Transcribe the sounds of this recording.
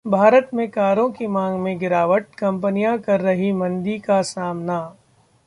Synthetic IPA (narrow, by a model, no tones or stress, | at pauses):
bʱaːɾət̪mẽkaːɾõkimãːŋɡmẽɡɪɾaːʋəʈ̚kɐ̃mpənijãkɐɾːɐɦimɐ̃nd̪ikasaːmna